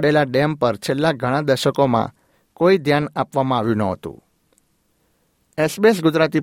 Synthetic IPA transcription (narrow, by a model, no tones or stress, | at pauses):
ɽelaɖempəɾt͡ʃʰelːaɡʱəɽ̃ãd̪əɾʃəkomã̰ | koid̪ʱjanapʋamãaʋjũnəɦət̪ṵ̃ | esbiesɡʊd͡ʒɾat̪i